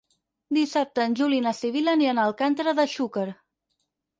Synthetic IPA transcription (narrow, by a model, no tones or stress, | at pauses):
d̪isap̚t̪əːnʲʒulinəsiβ̞iləniənəlˠkant̪əɾəðəʃukəɾ